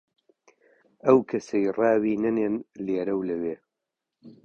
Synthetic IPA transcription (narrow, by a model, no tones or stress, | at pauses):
ɐwkʰɐsɐjrɑːwiːnɐneːnleːɾɐwlɐweː